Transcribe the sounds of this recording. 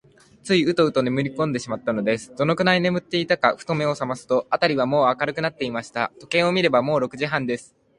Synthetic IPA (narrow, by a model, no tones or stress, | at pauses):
t͡sɨiɯ̟t̪o̞ɯ̟t̪o̞nemɯ̟ɾʲikõ̞nd̪e̞ɕimat̪ːano̞d̪e̞sɨ̥d̪̥o̞no̞kɯ̟naine̞mɯ̟t̪ːe̞it̪akaɸɯ̥t̪o̞me̞o̞samasɨ̥t̪o̞at̪aɾʲiβamo̞ːakaɾɯ̟kɯ̟nat̪ːe̞imaɕi̥t̪a̰t̪o̞kẽɰ̃o̞mʲiɾe̞bamo̞ːɾo̞kɯ̟ʑiɦãnd̪e̞sɨ̥